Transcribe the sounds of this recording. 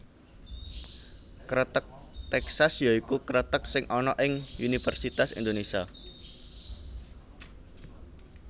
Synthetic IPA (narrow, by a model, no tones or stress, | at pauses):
kəɾət̪ək̚ | t̪ɛksasjaikukəɾət̪ək̚sɪŋʔɔnɔʔɪŋunifɛrsit̪asḭnd̪onesia